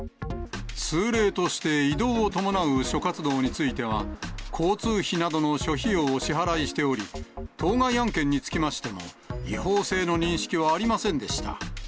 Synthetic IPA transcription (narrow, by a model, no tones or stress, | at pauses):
sɨːɾe̞ːt̪o̞ɕi̥t̪e̞id̪o̞ːot̪o̞mo̞naɯ̟ɕo̞kat͡sɨd̪o̞ːɲ̟it͡sɨit̪e̞β̞akʰo̞ːt͡sɨːçinad̪o̞no̞ɕo̞çioːɕiɦaɾaiɕi̥t̪e̞o̞ɾʲit̪ʰo̞ːɡaiãŋkẽ̞ɲ̟ːit͡sɨ̥kʲimaɕi̥t̪e̞mo̞̰ | ihoːse̞ːno̞ɲ̟ĩɰ̃ɕi̥kʲiβaːɾʲimasẽ̞nd̪e̞ɕi̥t̪a̰